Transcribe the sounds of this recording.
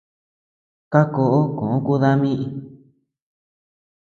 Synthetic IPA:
ka˦ko˧ʔo˦kõ̰˨õ˦ku˦ða˦mĩ˦ʔi˧

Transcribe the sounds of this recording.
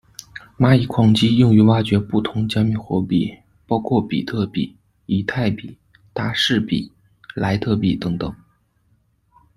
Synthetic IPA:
ma˥i˨˩kʰwɑ˥˩ŋt͡ɕi˥jʊ˥˩ŋy˧˥wa˥˩t͡ɕɥɛ˧˥pu˥˩t̪ʰʊ˧˥ŋt͡ɕja˥mi˧˥˩xwɔ˧˥pḭ˥˩ | pɑ˥ʊkʰwɔ˥˩pḭ˨˩t̪ʰɤ˥˩pḭ˨˩ | i˧˥t̪ʰa˥˩ɪpi˨˩˦ | t̪a˥ʂɻ̩˥˩pḭ˨˩˦ | la˧˥ɪt̪ʰɤ˥˧pi˨˩t̪ɤ˧˥ŋt̪ɤ˨˩˦ŋ

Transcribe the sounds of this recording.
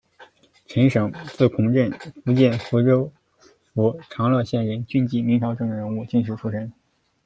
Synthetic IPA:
ʈ͡ʂʰə˧˥nʂɤ˨˩˦ŋt͡sɹ̩˥˩kʰʊ˧˥ŋʈ͡ʂə˥˧˩nfu˧˥t͡ɕjɛ˥˩nfu˧˥ʈ͡ʂo˥ʊ | fu˧˥ʈ͡ʂʰɑ˧˥ŋlɤ˥˧ɕjɛ˥˩nɻə˧˥nt͡ɕy˥˧nt͡ɕi˥˩mi˧˥ŋʈ͡ʂʰɑ˧˥ʊʈ͡ʂɤ˥˩ŋə˩ɻə˧˥nu˥˧t͡ɕi˥˧nʂ̬ɻ̩˥˩ʈ͡ʂʰu˥ʂə˥n

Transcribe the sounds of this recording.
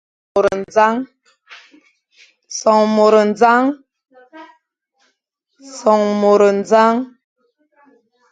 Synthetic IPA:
o˨ɾə˨n˨d͡za˦ŋ | sɔ˨ŋmo˨ɾə˨n˦d͡za˦ŋ | sɔ˨ŋmo˨ɾə˨n˦d͡za˦ŋ

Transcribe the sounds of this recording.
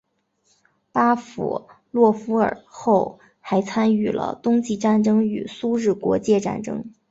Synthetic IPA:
pa˥fṵ˨˩ | lwɔ˥˩fu˥ə̰˞˨˩xo˥˩ʊ | xa˧˥ɪt͡sʰa˥ny˥˩lə̰˧t̪ʊ˥ŋt͡ɕi˥˧ʈ͡ʂa˥˩nʈ͡ʂɤ˥ŋy̰˨˩su˥ɻɻ̩˥˩kwɔ̰˧˥t͡ɕjɛ˥˧ʈ͡ʂa̰˥˩nʈ͡ʂɤ̰˥ŋ

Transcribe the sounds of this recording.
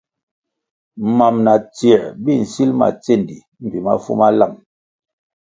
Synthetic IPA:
ma˨mna˨t͡si˨bi˦˨n̩˨si˦lma̰˨t͡se˦˨ndi˨ | m̩˨vi˨ma̰˦fṵ˦ma˦la˦˨m

